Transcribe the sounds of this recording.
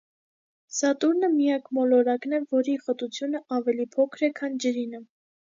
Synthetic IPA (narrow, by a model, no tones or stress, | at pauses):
sɑt̪uɾnəmijɑkmɔlɔɾɑknɛvɔɾiχət̪ut͡sʰjunəʔɑvɛlipʰɔkʰɾɛkʰɑnd͡ʒəɾinə